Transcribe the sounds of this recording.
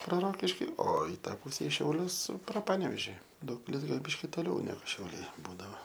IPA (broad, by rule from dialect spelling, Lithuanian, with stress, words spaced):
proː ˈroːkʲɪʃʲkʲiː oː ɪ ˈtɑː ˈpʊsʲɛ ɪ ʃʲɛʊˈlʲʊs proː ˈpɑːnʲɛʋʲeːʒʲɪ ˈdɐʊkpʲɪlʲɪs ˈɡɐlʲ ˈbʲɪʃʲkʲɪ ˈtoːlʲɛʊ ˈnʲæːɡʊ ʃʲɛʊˈlʲɛɪ ˈbuːdɐʋoː